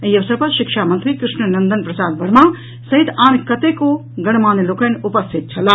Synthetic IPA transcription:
ɐiɐʋəsəɾpɐɾʃɪkʃamɐnt̪ɾikɾɪʂnənɐnd̪ənpɾɐsaːd̪̚bɐɽmã | sɐɦit̪ʰaːnkɐt̪eko | ɡɐɽ̃maːneloːkənupɐst̪ʰit̪̚t͡ʃʰɐla

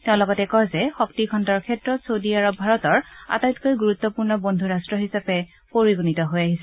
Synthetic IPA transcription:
tɛʊ̃lɔɡɔtɛkɔjzɛxɔk̚tikʰɔntɔɹkʰɛtɹɔtsodiaɹɔbʱaɹɔtɔɹa̰tajtkojɡuɹut̪ːɔpuɹnɔbondʱuɹastɹɔɦisapɛ | poɹiɡunitɔɦojaɦisɛ

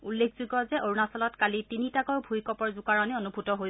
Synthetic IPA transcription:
ulːekʰzuɡɔzɛʔoɹunasɔlɔtkalitinitakɔɹbʱujkɔpɔɹzukaɹɔnionubʱutɔɦoj

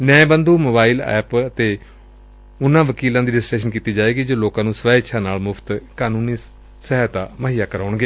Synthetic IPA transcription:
nɛbənd̪uːmoːbaːiːlɛ̰ːpət̪eː | ʊnãːʋəkiːlãːd̪iːɖɪsʈeːʃənkiːt̪iːd͡ʒaːeːɡiːd͡ʒoːloːkãːnũːsʋaːɪʃʰãːnaːlmʊpʰt̪kaːnuːniː | səɦɛt̪aːməɦiːjaːkəɾaːʊɳɡeː

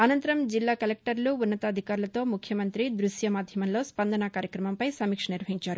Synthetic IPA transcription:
ɐnɐnt̪ɐɾɐmd͡ʒilːaːkɐlek̚ʈɐɾluunːɐt̪ɐːd̪ʱikaːɾulɐt̪o̞ːmukʰjɐmɐnt̪ɾid̪ɾuʂjɐmaːd̪ʱjɐmɐmlo̞ːspɐnd̪ɐnakaːɾjɐkɾɐmɐmpɐjsɐmiːkʂɐniɾʋɐɦiɲt͡ʃaːɾu

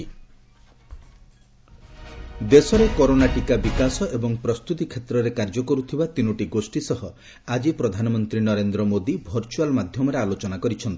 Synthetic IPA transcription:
d̪esɔɾekɔɾonaʈikabikasɔʔebɔŋpɾɔst̪ut̪ikʰet̪ɾɔɾekaɾd͡ʒɔkɔɾut̪ʰibat̪inɔʈiɡosʈisɔɦɔ | ad͡ʒipɾɔd̪ʱanɔmɔnt̪ɾinɔɾend̪ɾɔmod̪ibʱɔɾt͡ʃualmad̪ʱjɔmɔɾealot͡ʃɔnakɔɾit͡ʃʰɔnt̪i̥

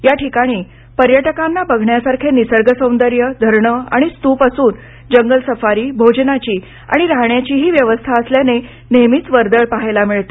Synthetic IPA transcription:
jaʈʰikaɽ̃iː | pəɾjəʈəkanːabəɡʱɳjasaɾkʰenisəɾɡəsə̃w̃nd̪əɾjəd̪ʱəɾɳəa̰ɽ̃ist̪uːpasuːn | d͡ʑəŋɡəlsəfaɾiːbʱod͡ʑnat͡ɕiː | a̰ɽ̃iɾaɦɳjat͡ɕiːɦiːʋjəʋəst̪ʰaəsljane | nemiːt͡sʋəɾd̪əɭpaɦajlamiɭt̪e

